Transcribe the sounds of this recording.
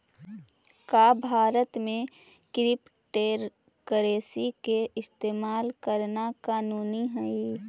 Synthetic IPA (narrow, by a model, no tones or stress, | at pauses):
kaːbʱaːɾət̪mẽ | kɾɪp | ʈeːɾ | kəɾeːsikeɪst̪eːmaːlkəɾnakaːnuːniɦɛi